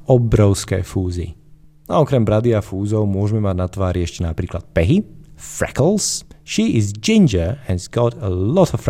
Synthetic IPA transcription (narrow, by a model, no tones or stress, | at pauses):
ɔbɾɔʊskɛ̰ːfuːzḭ | aɔkɾɛmbɾad̪iafuːzɔʊmʊɔʒɛmɛmaɟnat̪ʋaːɾiɛʃcɛnapɾiːklat̪̚pɛɦifɾɛ̰kl̩ˠsʃiːizd͡ʒĩnd͡ʒəhɛnzɡɔtəlɔt̪ʰɔf